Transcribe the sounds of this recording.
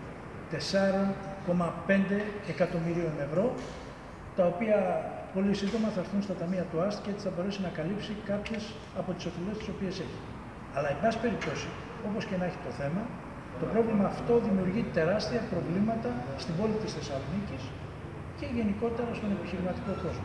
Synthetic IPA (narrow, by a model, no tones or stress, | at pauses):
t̪e̞sɐɾo̞nko̞mɐpe̞nd̪e̞ːkɐt̪o̞miɾio̞ne̞vɾo̞ | t̪ɐo̞piɐpo̞lisind̪o̞mɐθɐɾθunst̪ɐt̪ɐmiɐt̪uɐst̪ceet͡si̥θɐbo̞ɾe̞sinɐkɐlipsikɐpçe̞s | ɐpo̞t̪i̥so̞fele̞st̪i̥so̞piese̞çi̥ | ɐlɐebɐsi̥pe̞ɾipt̪o̞si | o̞po̞scenɐeçi̥t̪o̞θe̞mɐ | t̪o̞pɾo̞vlimɐːft̪o̞ðimiuɾʝit̪e̞ɾɐst̪iɐpɾo̞vlimɐt̪ɐst̪imbo̞lit̪isθe̞sɐlo̞nicis | ce̞ʝe̞niko̞t̪e̞ɾɐːspumnepiçiɾimɐt̪iko̞ko̞zmɐ